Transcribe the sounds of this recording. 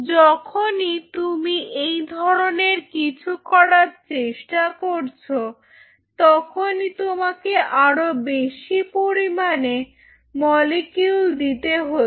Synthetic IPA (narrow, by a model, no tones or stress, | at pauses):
d͡ʑɔkʰonit̪umiʔejd̪ʱɔɾoneɾkit͡ɕʰukɔɽaɾt͡ɕeʃʈakoɾt͡ɕʰo | t̪ɔkʰonit̪omakeʔaɾobeʃipoɾimane | mɔlekjuld̪it̪eɦo